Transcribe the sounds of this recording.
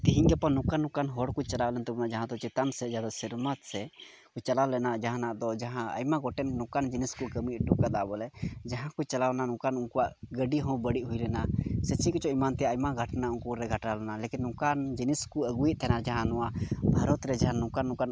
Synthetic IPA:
t̪iɦiɲɡɛpanũkanːũkanɦɔɽkut͡ʃalawlɛnt̪ɛbɔnaʔd͡ʒaɦãd̪ɔt͡ʃɛt̪ansɛd͡ʒad̪asiɾmat̪sɛ | kut͡ʃalalɛnad͡ʒaɦãnaʔd̪ɔd͡ʒaɦãə̰jmaɡɔʈɛnnũkand͡ʒiniskukəmiʔ̪ʈuʔkad̪aʔbɔlɛd͡ʒaɦãkut͡ʃalawnanũkanunkɔwaʔɡəɖiɦɔ̃bəɽiʔɦujlɛnasɛt͡ʃikɔt͡ʃɔimant̪ɛjajmaɡʱəʈnaukuɾɛɡʱəʈalɛnalekinːũkand͡ʒiniskuəɡuiʔ̪̚t̪ʰɛnaɾd͡ʒaɦãnɔwabʱaɾɔt̪ɾɛd͡ʒaɦãnũkanːũkan

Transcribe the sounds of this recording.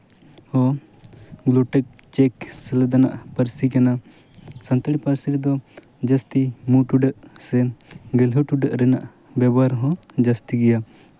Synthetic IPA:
hɔ | ɡlɔʈɛk̚ | t͡ʃɛksɛlɛd̪ana̰ʔpəɾsikana | sənt̪əɽipəɾsiɾd̪ɔ | d͡ʒəst̪imuʈuɖəʔsɛɡɛlɦɔʈuɖəʔɾɛnaʔ | bɛbaɾɦɔ̃d͡ʒəst̪iɡɛja

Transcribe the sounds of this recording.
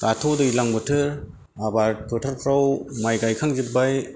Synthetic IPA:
katʰɔdɯilaŋbɯtʰɯɾ | abaɾtʰɯtʰaɾpʰɾawmajɡajkʰaŋzibːaj

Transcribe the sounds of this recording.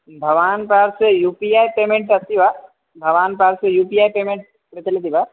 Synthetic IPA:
bʱɐʋaːnpaːɾsejuːpiaːjpeːmẽɳʈɐst̪ibʱa | bʱɐʋaːnpaːɾsejuːpijaːjpeːmẽɳʈ̚ | pɾɐt͡ʃɐlit̪̬ibʱaː

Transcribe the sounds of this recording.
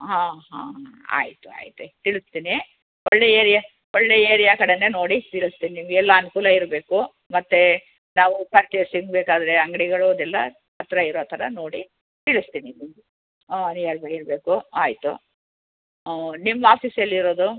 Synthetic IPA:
ɦãːɦã̰ːɦa̰ːjit̪ua̰ːjit̪ut̪iɭust̪iːni | ɔɭːeeːɾijɐ | ɔɭːe̞ːeːɾijakɐɽeneno̞ːɽit̪iɭust̪iːniniːmɡɛlːɐːnukuːlɐiɾbe̞ːku | mɐt̪ːe | naːʋupaːɾt͡ʃesiŋɡbeːkaːd̪ɐɾeɐŋɡɐɽiɡɐɭud̪ɛlːɐ | ɦɐt̪ɾɐiɾoːt̪ʰɐɾɐno̞ːɽi | t̪iɭust̪iːninimɡu | njaːɾbɐiɾbe̞ːkua̰ːjit̪ṵ | nimːaːpiːsɐlːiɾo̞ːd̪u

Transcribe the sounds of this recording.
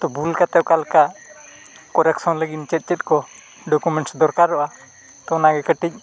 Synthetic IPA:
t̪ɔbulkat̪ɛʔkalka | kɔɾɛksɔ̃nləɡint͡ʃɛt̪̚ˀt͡ʃɛt̪̚kɔ | ɖɔkumɛɳʈsd̪ɔɾkaɾːɔʔa | t̪ɔnaɡɛkəʈic̚ˀ

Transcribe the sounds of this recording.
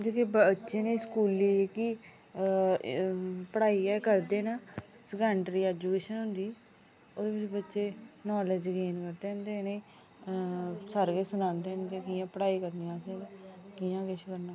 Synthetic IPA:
d͡ʒekebtːʃeːneĩːskuːliːkiː | pəɽaːiːɛːkəɾd̪eːnaːsəkəːɳɖɾiːɛːd͡ʒuːkeːʃənɦʊnd̪iː | oːd̪eːbɪt͡ʃbətːʃeːnɔːləd͡ʒɡeːnkəɾd̪eːnd̪eːneː | səɾɡeːsʊnãːnd̪eːnd̪eːkɪjãːpəɽaːiːkəɾnijãːseːnkɪjãːkɪʃkəɾnaː

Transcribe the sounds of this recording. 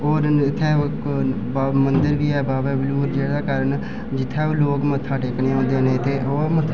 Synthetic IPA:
oːɾɪt̪ʰːɛ̃ːok | baːmənd̪əɾʋiːɛːbaːbɛːbɪluːɾd͡ʒeːɽaːkəɾən | d͡ʒɪt̪ʰːɛːoːloːkmət̪ʰːaːʈeːkneːõːnd̪eːnẽːt̪eːʔoːmət̪ʰː

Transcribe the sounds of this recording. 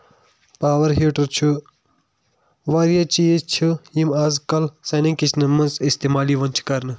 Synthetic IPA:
paːʋɐɾɦiːʈɐɾt͡ʃʰu | ʋaːɾjat͡ʃiːzt͡ʃʰujimaːzkɐlsɐnĩŋkit͡ʃʰnɨmɐnzist̪eːmaːliːʋɐnt͡ʃʰu̥kɐɾnɨ

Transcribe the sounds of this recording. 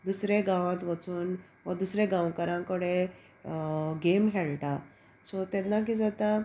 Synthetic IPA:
d̪usɾeɡãʋãt̪ʋət͡suːn | ʋəd̪usɾeɡãwkəɾãkəɽe | ɡemɦɛɭʈa | sɔt̪ɛnːak̬id͡zat̪a

